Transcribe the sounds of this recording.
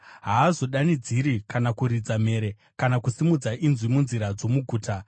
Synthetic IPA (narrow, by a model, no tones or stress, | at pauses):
ɦaːzo̞ɗanid͡ziɾikanakuɾid͡zame̞ːɾe̞ | kanakusimud͡zaʔinzwimunziɾad͡zo̞muɡʱuːta